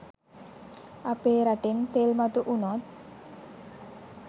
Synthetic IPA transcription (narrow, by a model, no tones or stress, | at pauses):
apeɾaʈent̪elmat̪uʔunot̪̚